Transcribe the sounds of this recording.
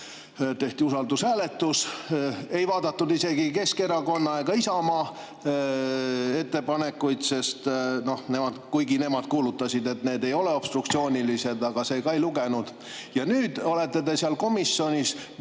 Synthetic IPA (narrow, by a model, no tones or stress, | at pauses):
t̪e̞ht̪iusɑld̪ushæːle̞t̪ːus | e̞jvɑːd̪ɑt̪ːud̪ise̞ɡike̞ske̞ɾɑko̞nːɑeɡ̥ɑisɑmɑː | e̞t̪ːe̞pɑne̞kːˑujd̪se̞st̪no̞hne̞mɑd̪kujɡine̞mɑd̪̥̚kuːlut̪ːɑsid̪e̞t̪ne̞ːd̪e̞jo̞le̞o̞b̥st̪ruk̚t̪sio̞ːnʲilise̞d̪ɑɡ̥ɑse̞ːkɑejluɡe̞nud̪̥ | jɑnyːd̪̥o̞le̞t̪ːˑe̞d̪e̞siɑlko̞misːo̞nʲis